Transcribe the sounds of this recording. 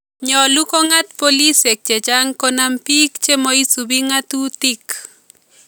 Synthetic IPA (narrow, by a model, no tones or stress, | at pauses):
ɲɔlukoŋat̪̚polisek̚t͡ʃet͡ʃaŋkonampikt͡ʃemoisubiŋat̪ut̪ik